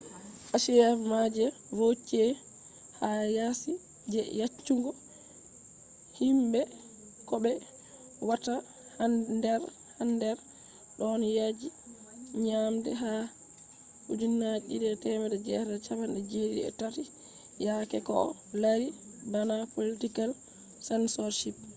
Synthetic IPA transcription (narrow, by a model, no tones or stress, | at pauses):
ʔaʃijamad͡ʒɛ | vot͡ʃːiɛ | hajasi | d͡ʒɛjat͡ʃːuŋɡɔ | himbɛ | kɔbɛ | wata | hadɛɾ | handɛɾ | ɗɔnjad͡ʒi | ɲamdɛ̰ɦa | hud͡ʒunːat͡ʃidɛtɛmɛdɛd͡ʒɛdat͡ʃabanɛd͡ʒedḭɛ̰tati | jakɛkɔ̰ | laɾi | banapolitikal | sɛnsɔɾʃip̚